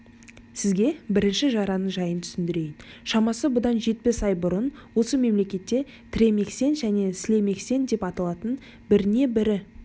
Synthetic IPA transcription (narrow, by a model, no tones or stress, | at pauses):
sɪzɡʲe̞bɪɾɪnʃɪʒɑɾɑnəɴʒɑjənt̪ʰʏ̥sɪnd̪ɪɾe̞jɪnʃɑmɑsəbʊd̪ɑnʒe̞t̪̚pesɑjbʊɾənwo̞səme̞mle̞kʲe̞t̪ːe̞ | t̪ʰɪɾe̞me̞kse̞nʒæne̞sɪle̞me̞kse̞nd̪e̞pɑt̪ɑlˠɑt̪ən | bɪɾɪne̞bɪɾɪ